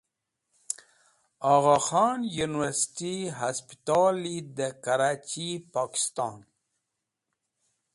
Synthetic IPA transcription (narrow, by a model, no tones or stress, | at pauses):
ɑɣɑxɑnjunwaɾsʈiɦaspit̪ɑlid̪əkaɾat͡ʃipɑki̥st̪ɑ̰ːn